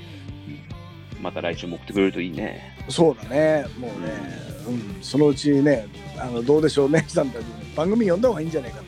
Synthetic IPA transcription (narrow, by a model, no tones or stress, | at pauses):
ɯ̃ɴ | mat̪aɾaiɕɨːmoːkɯ̟t̪ːekɯɾe̞ɾɯ̟t̪o̞iːnḛ | so̞ːd̪ane̞mo̞ːnḛɯ̟̃ːɴso̞no̞ɯ̟t͡ɕine̞ | ano̞d̪o̞ːd̪e̞ɕo̞ːmed͡ʑi̥t̪ãnt̪akʲineb̥ãŋɡɯmʲiɲijond̪eahoβaĩːɲ̟d͡ʑanaikat̪a